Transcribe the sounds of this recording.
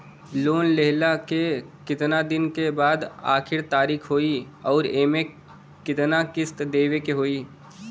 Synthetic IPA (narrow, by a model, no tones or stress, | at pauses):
loːnleɦlakekɪt̪nad̪ɪnkebaːd̪a̰ːkʰɪɾt̪aːɾiːkʰɦoːi | ɔːɾeːmẽ | kɪt̪nakɪst̪d̪eːʋekeɦoːiː